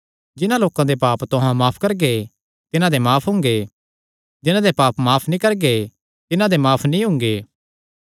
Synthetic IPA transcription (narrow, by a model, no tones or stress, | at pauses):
d͡ʒɪnãloːkãd̪epaːpt̪ʊɦãmaːpʰkɐɾɡe | t̪ɪnãd̪emaːpʰɦʊ̃ŋ̆ɡe | d͡ʒɪnãd̪epaːpmaːpʰnĩkɐɾɡe | t̪ɪnãd̪emaːpʰnĩɦʊ̃ŋɡeː